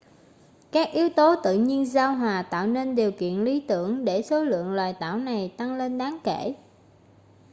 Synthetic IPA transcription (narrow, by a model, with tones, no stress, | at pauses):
kaː˦˥k̚ʔi˨˦əwt̪o˨˦t̪ɨ̰˧˨ɲi˧ənzaː˧wɦwaː˨˩t̪a̰ː˧˨wne˧nɗi˨˩əwkḭ˧˨ənli˨˦t̪ɨ˧˩əŋɗe˧˩so˨˦lɨ̰˧˨əŋlwaː˨˩jt̪a̰ː˧˩wna˨˩jt̪a˧ŋle˧nɗaː˨˦ŋkḛ˧˩